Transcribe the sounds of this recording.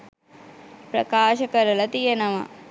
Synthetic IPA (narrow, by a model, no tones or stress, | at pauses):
pɾɐ̰kaːʃɐkɐɾɐlɐt̪ijɐnɐʋɐ̰